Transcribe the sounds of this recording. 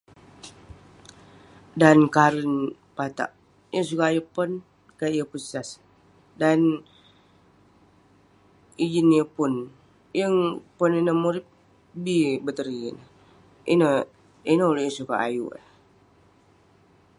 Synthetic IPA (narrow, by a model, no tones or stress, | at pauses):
dankaɾin | pat̪a̰ʔ | jəsukaajupɔn | kaʔjəpussas | dan | id͡ʒinjəpun | jəŋpɔninəmuɾɪp̚ | bibət̪əɾiə̰nə | ḭnə | inəulojəsuka̰ʔa̰jṵ